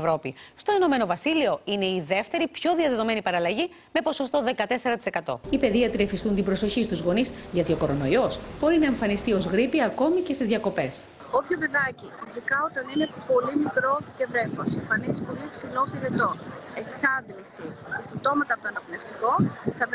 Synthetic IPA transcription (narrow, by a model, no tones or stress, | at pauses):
vɾo̞pḭst̪o̞ino̞me̞no̞vɐsilio̞ine̞iðe̞ft̪e̞ɾipço̞ðiɐðeðo̞me̞nipɐɾɐlɐʝi | me̞po̞so̞st̪o̞ðe̞kɐt̪e̞se̞ɾɐt̪ise̞kɐt̪o̞̰ipe̞ðiɐt̪ɾiefist̪unt̪ibɾo̞so̞çist̪uzɣo̞nizʝɐt̪io̞ko̞ɾo̞no̞io̞sb̥o̞ɾinɐeɱfɐnist̪io̞zɣɾipiɐko̞micest̪izðʝɐko̞pe̞s | opçove̞ðɐciiðikɐot̪ɐnine̞po̞limikɾo̞cevɾe̞foseɱfɐnisi̥po̞lipsilopiɾet̪o̞eksɐndlisit̪ɐsip̚t̪o̞mɐt̪ɐpot̪oɐnɐpolefst̪iko̞θɐ